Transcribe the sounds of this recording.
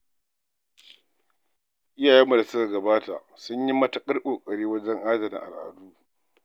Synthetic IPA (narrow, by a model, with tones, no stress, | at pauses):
ʔɪ˦jaː˨jɛ˦mːu˨da˨sʊ˦ka˨ɡɐ˨baː˦ta̰˨ʔ | sʊ˦ɲji˦mɐ˦ta˦˨kʼɐ˦rkʼoː˨kʼɐ˨ɽiː˦wɐ˦d͡ʒɛ˦ŋʔaː˦zɐ˨mḭ˨ʔa̰˨lʔa̰˨duː˦